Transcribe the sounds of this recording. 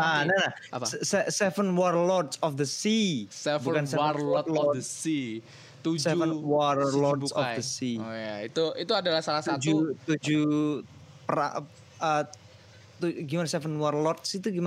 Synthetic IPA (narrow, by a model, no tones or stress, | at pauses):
anana | sɛsɛvənwɔrlɔtsɔfd̪əsisɛbukansɛɔlɔi | t̪usɛvənwɔrlɔtsɔfdəsijait̪uʔit̪uadalahsalahsatd͡ʒut̪ud͡ʒu | pəɾa̰ | ə | t̪uɡimanasɛfənwɔrlɔt̪̚sit̪uɡima